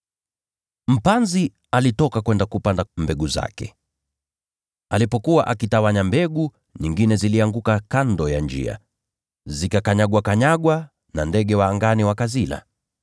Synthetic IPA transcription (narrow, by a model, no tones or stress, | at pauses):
m̩panzi | alitɔkakwɛndakupandambɛɡuza̰kɛ̰ | alipɔkuwaʔakitawaɲambɛɡu | ɲiŋɡinɛziliaŋɡukakandɔjand͡ʒḭa̰ | zikakaɲaɡwakaɲaɡwa | nandɛɠɛwaːŋɡaniwakazila̰